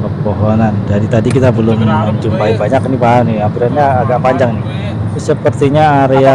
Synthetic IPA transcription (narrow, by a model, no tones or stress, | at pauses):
pəpoɦonand͡ʒaɾit̪adikit̪abəlʊmət͡ʃumpaibaɲaknibaanɪampiɾanɲaːɡaʔpaɲd͡ʒaŋnɪ | ʊsəpərt̪iɲaːɾea